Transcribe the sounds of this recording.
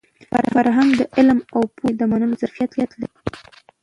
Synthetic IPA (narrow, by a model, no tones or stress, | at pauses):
fa̰ɾhaɾɦaŋɡd̪əʔɪlmawpʰod̪əmanəlozaɾfijat̪jat̪laɾi